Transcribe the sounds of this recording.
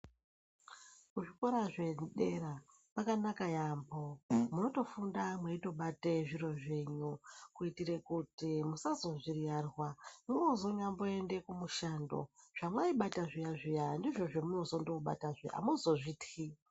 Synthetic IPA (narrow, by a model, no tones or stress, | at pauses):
kuʐiko̞ɾaʐe̞ɗe̞ɾa | pakanakajaːmbomuno̞to̞fundamweito̞ɓateʐiro̞ʐeɲukuitiɾekutimusazo̞ʐirijarwamunozo̞ɲambo̞e̞nde̞kumuʃando̞̰ʐ̥amwaiɓataʐijaʐijandiʐo̞ʐemuno̞zo̞ndo̞ɓa̰taʐḛʔa̰muzo̞ʐiti